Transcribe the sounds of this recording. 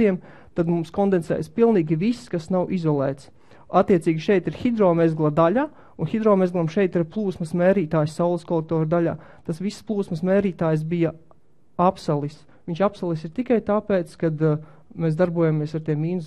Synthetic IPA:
iɛm | t̪ad̪mumskɔnd̪ensɛ̰ːjspilˠniːɡʲiʋisːkasnawʔizɔlˠɛːt̪s | at̪ːiɛsiːɡʲiʃɛjt̪iɾxid̪ɾɔːmezɡlˠad̪aʎaː | unxid̪ɾɔːmezɡlˠamʃɛjt̪iɾplˠuːsməsmeːɾiːt̪aːjsːawlˠskɔlˠɛk̚t̪ɔːɾd̪aʎʲa̰ːt̪asʋisplˠuːsməsmeːɾiːt̪aːjs̬bijɐ | apsalˠis | ʋiɲʲt͡ʃapsalˠis̬iɾt̪ikajt̪aːpeːt̪skad̪ | mes̬d̪aɾbuɔjamiɛsaɾt̪iɛmːiːnus

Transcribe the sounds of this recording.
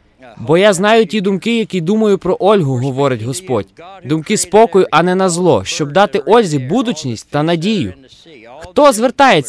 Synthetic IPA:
bɔjaznɑjʊtʲid̪ʊmkɪjɐkʲid̪umɐjʊpɾɔʔɔlʲɦʊɦɔʋɔɾɪtʲɦɔspɔdʲd̪ʊmkɪspɔkɔjʊʔɐnɛnɐzlˠɔʃt͡ʃɔb̚d̪ɑt̪ɪʔɔlʲzʲibud̪ʊt͡ʃnʲisʲt̚ʲt̪ɐnɐdʲijʊ̰ | xt̪ɔzʋert̪ɑjet͡sʲ

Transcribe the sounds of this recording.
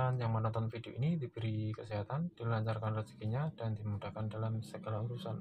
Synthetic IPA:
njaŋmənɔnt̪ɔnfidioʔinidibəɾikəsiɦat̪and̥ilaɲt͡ʃarkanrəsi̥kiɲadandimudakandalamsəɡalauɾusan

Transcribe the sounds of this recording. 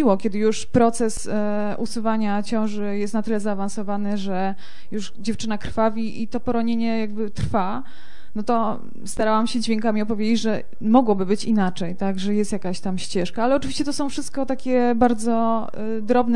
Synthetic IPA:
iwɔkʲɛd̪ɘjuʂpɾɔt̪sɛs | usuvaɲat͡ɕɔ̃w̃ʐɘjɛst̪nat̪ɘlɛzaːvansɔvanɘʐɛ | juʂd͡ʑɛft͡ʂɘnakɾfavʲiʔit̪ɔpɔɾɔɲeɲɛjaɡ̚bɘt̪ɾfa | nɔt̪ɔ | st̪aɾawamɕɛd͡ʑvʲjeŋkamʲiɔpɔvʲjed͡ʑet͡ɕʐɛ | mɔɡwɔbɘbɘt͡ɕinat͡ʂɛjt̪aɡʐɛjɛst̪jakaɕt̪amɕt͡ɕɛʂkaalɛɔt͡ʂɨvʲiɕt͡ɕɛt̪ɔsɔ̃w̃fʂɘst̪̚kɔt̪akʲɛbaɾd̪zɔ | d̪ɾɔbnɛ

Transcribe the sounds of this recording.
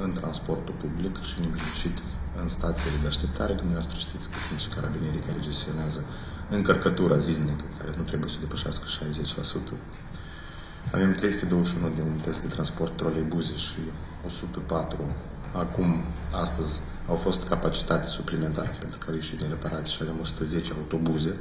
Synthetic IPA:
ɨnt̪ɾanspo̞rt̪upublikʃiɨneɡfit͡ʃit̪ | ɨnst̪at̪sijele̞d̪eaʃt̪e̞p̚t̪ʰaɾed̪umnevast̪ɾəʃt̪it̪sʲkəsunt̪ʃi̥kaɾabine̞ɾikaɾe̞d͡ʒe̞st̪io̞neazə | ɨŋkərkət̪uɾʔazilnikəkʰaɾe̞nut̪ɾe̞buje̞səd̪e̞pəʃaskə̥ʃajze̞t͡ʃʲlasut̪ʰə | a̰ve̞mt̪ɾe̞jsuɨt̪eo̞wəʃunud̪inunp̪esd̪e̞t̪ɾanspo̞rt̪ːɾolejbuze̞ʃi | o̞sut̪əpat̪ɾu | akumast̪əzʲ | awfo̞st̪kapat͡ʃi̥t̪at̪esuplime̞nt̪aɾepent̪ɾukawje̞ʃit̪d̪inre̞paɾʔat̪siʃiave̞mo̞su̥t̪əze̞t͡ʃeaut̪o̞buze̞

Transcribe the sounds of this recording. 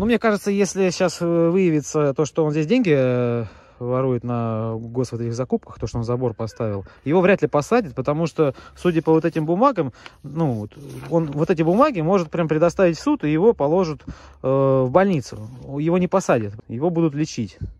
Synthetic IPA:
numnʲekaʐɨt̪səjesʲlʲɪɕːasvɨjɪvʲɪt̪sət̪o̞ʂt̪oonzʲdʲesʲdʲenʲɡʲɪ | vɐɾujɪt̪nɐɡo̞svot̪ɛtʲɪxzɐkup̚kəxt̪o̞ʂt̪oozɐbo̞rpɐst̪avʲɪlˠjɪvo̞vɾʲat̪lʲɪpɐsadʲɪt̪̚pət̪ɐmuʂt̪ofsudʲəpəvo̞t̪ɛtʲɪmbʊmaɡəmnuvot̪o̞nvo̞t̪ɛtʲɪbʊmaɡʲɪmo̞ʐɨt̪̚pɾʲampɾʲɪd̪ɐst̪avʲɪtʲsut̪ɨjɪvo̞pɐlˠo̞ʐɨt̪ː | vbɐlʲnʲit̪sʊ̰jɪvo̞nʲɪpɐsadʲɪt̪jɪvo̞bud̪ʊt̪lʲɪt͡ɕitʲ

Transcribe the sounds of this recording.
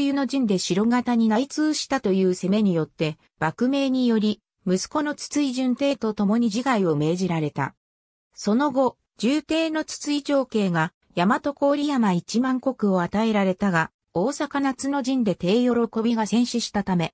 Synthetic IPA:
jɯno̞ʑĩnd̪e̞ɕiɾo̞ɡat̪aɲ̟inait͡sɨːɕi̥t̪at̪o̞jɯ̟ːse̞me̞ɲ̟ijo̞t̪ːe̞ | b̥akɯ̟me̞ːɲ̟ijo̞ɾʲi | mɯ̟sɨ̥ko̞no̞t͡sɨ̥t͡sɨiʑɨ̃nt̪e̞ːt̪o̞t̪o̞mo̞ɲ̟iʑiɡaio̞me̞ːʑiɾaɾe̞t̪a̰ | so̞no̞ɡo̞ | d͡ʑɨːt̪e̞ːno̞t͡sɨ̥t͡sɨit͡ɕo̞ːke̞ːɡa | jamat̪o̞ko̞ːɾʲijamait͡ɕimãŋko̞kɯ̟o̞at̪ae̞ɾaɾe̞t̪aɡa | o̞ːsakanat͡sɨno̞ʑĩnd̪e̞t̪e̞ːjo̞ɾo̞ko̞bʲiɡasẽ̞ɰ̃ɕiɕi̥t̪at̪ame̞

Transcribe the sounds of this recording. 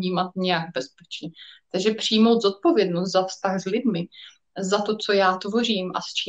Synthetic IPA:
ɲiːmat̪̚ɲɛjaɡbɛspɛt͡ʃɲɛt̪aɡʒɛpr̝̥ɪjmo̞wd̪zot̪̚po̞vjɛdnost̪zafst̪axzlɪdmɪ | zat̪o̞t͡so̞jaːt̪vo̞r̝iːmʔa̰st͡ʃiː

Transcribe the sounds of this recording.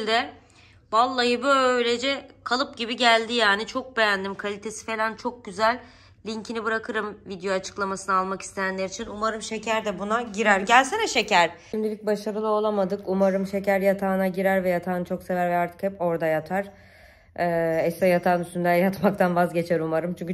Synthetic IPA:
lʲd̪ɛ | balˠːajɯbøjlʲed͡ʒɛkʰalˠɯp̚ɟibiɟælʲd̪ijaːnit͡ʃʰo̞k̚be̞jænd̪imkʰalʲit̪ʰe̞si̥fe̞lʲænt͡ʃʰok̚ɟyzælʲː | iɲcʰinibɯɾakʰɯɾɯmvid̪ejoat͡ʃʰɯ̥klˠamasɯnɯaːlˠmaki̥st̪ʰe̞jænlʲeɾit͡ʃʰinumaɾɯmʃe̞cʰæɾd̪ɛbunaɟiɾæɾɟælʲsenɛʃe̞cæɾ̥ | imd̪ilʲic̚baʃaɾɯlˠɯo̞lˠamad̪ɯkumaɾɯmʃe̞cæɾjat̪ʰaːnaɟiɾæɾvɛjat̪ʰaːnat͡ʃʰo̞kse̞væɾvɛaɾt̪ʰɯ̥khɛpo̞ɾd̪ajat̪ʰaɾ̥ | ɛːɛst̪ɛjat̪ʰaːnyst̪ynd̪ænjat̪makt̪ʰanvazɟe̞t͡ʃʰɛɾumaɾɯmt͡ʃʰyɲʲcʰy

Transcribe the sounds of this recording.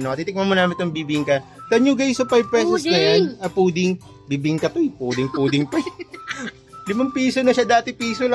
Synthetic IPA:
noɐt̪it̪ɪk̚mɐmonaːmɪnt̪ʊŋbiːbɪɪŋkɐt̪ɐɲuɡɐjsopajv̚pɛːsosɡɐjanɐpuːd̪ɪŋ | biːbiɪŋkɐt̪ojpuːd̪ɪŋpuːd̪ɪŋpɐj | lɪmɐŋpiːsonɐʃad̪aːt̪ɪpiːsolɐ

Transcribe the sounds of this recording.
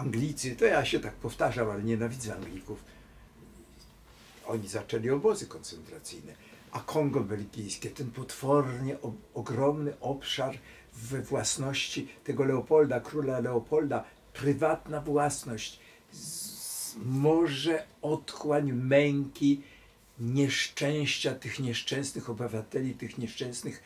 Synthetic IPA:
aŋɡlʲit̪sɘt̪ɔjaɕɛt̪ak̚pɔft̪aʐamalɛɲɛnavʲid̪zɛaŋɡlʲikuf | ɔ̰ɲizat͡ʂɛlʲiɔbɔzɘkɔnt̪sɛnt̪ɾat̪sɘjnɛ | akʰɔŋɡɔbɛlɡʲijskʲɛt̪ɛnpɔt̪fɔrɲɛʔɔɔɡɾɔmnɘʔɔpʂaɾ | vɛvwasnɔɕt͡ɕit̪ɛɡɔlɛɔpɔld̪akɾulalɛɔpʰɔld̪a | pɾɘvat̪navwasnɔɕt͡ɕ | mɔʐɛɔt̪xwaɲmɛŋkʲi | ɲɛʂt͡ʂɛ̃w̃ɕt͡ɕat̪ɘxɲɛʂt͡ʂɛ̃w̃snɘxɔbɘvat̪ɛlʲit̪ɘxɲɛʂt͡ʂɛ̃w̃snɘx

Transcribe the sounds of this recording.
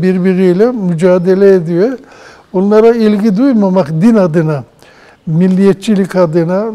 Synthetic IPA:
biɾbiɾijlʲɛmyd͡ʒaːd̪elʲɛed̪ijo | onlˠaɾailʲɡid̪ujmamakd̪inad̪ɯna | milʲːijɛt̪̚t͡ʃʰilʲikad̪ɯna

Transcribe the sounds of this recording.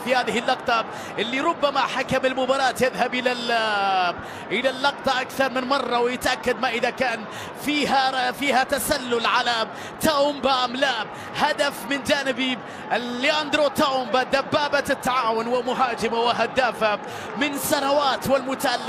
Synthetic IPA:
fihaːðɪhɪlːɑqt̪ˤɑ | ʔɪlːiɾʊbːamaħakamɪlmʊbɑːɾˤɑːt̪jɪðhabʔɪla | ʔɪlalːɑqt̪ˤɑʔakθɑɾˤmɪnmɑrˤːɑwɪjɪt̪ʔakːad̪maʔɪðakaːn | fiːhafiːhat̪asalːʊlʕala | t̪aʊmbamla | had̪afmɪnd͡ʒaːnɪbi | jand̪ɾot̪ːaʊmbad̪abːaːbat̪ɪt̪ːaʕaːwʊnwɪmʊɦaːd͡ʒɪmawɪɦad̪aːfa | mɪnsanawaːt̪wɪlmʊt̪aʔalːɪ

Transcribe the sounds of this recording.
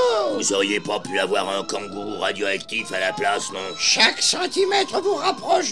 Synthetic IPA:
vuzɔʁjepapyavwaʁɛ̃kɑ̃ɡuʁad̪joakt̪ifalaplasnɔ̃ʃaksɑ̃t̪imɛt̪χəvuʁapχɔʃ

